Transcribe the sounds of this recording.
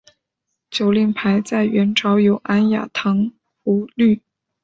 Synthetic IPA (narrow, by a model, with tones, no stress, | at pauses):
t͡ɕjo˨˩ʊli˥˩ŋpʰa˧˥ɪt͡sa˥˩ɪɥɛ˧˥nʈ͡ʂʰɑ˧˥ʊjo˨˩ʊʔa˥nja̰˨˩t̪ʰɤ˧˥ŋ | u˧˥ly˥˩